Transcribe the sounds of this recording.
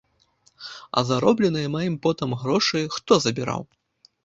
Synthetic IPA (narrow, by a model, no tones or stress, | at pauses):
ɐ̰zaɾɔblʲɛnɨjɐmajimpɔt̪ɐmɣɾɔʂɨjxt̪ɔzɐbʲiɾa̰w